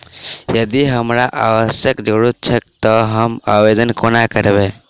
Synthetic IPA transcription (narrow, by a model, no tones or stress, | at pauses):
jəd̪iɦəmɾaʔaʋəsjəkd͡ʒoɽut̪̚t͡ʃʰek̚t̪əɦəma̰ʋed̪ənkonakəɾbe